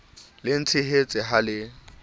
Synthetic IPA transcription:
lɪn̩t͡sʰɪɦet͡sʼɪɦalɪ

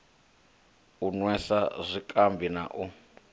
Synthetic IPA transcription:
unwɛsazʷikʼambʱina̰ʔu

